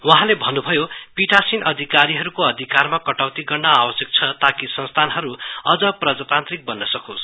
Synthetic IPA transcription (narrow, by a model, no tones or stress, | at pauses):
waɦãlebʱʌnːubʱʌjopiʈasinʌd̪ʱikaɾiɦʌɾukoʌd̪ʱikarmakʌʈawt̪iɡʌrnʌawʌsjʌk̚t͡sʰʌt̪akisʌ̃nst̪ʰanɦʌɾuʌd͡zʌprʌd͡zat̪ant̪rik̚bʌnːʌsʌkʰos